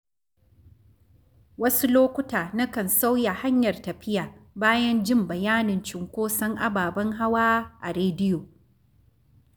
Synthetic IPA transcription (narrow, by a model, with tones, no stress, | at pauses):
wɐ˦su˦loː˦kʷʊ˦taː˨na˦kɐ˨nsa˦wja˨ha˦ɲjɐ˨rtɐ˨ɸɪ˦jaː˨baː˦jɐ˦nd͡ʒɪ˦mbɐ˨jaː˦nɪ˨nt͡ʃɪ˨ŋkʷoː˦sɐ˦ŋʔa˦baː˨bɐ˦ŋɦa˦waː˦ʔa˨ɾeː˦dɪ˦joː˨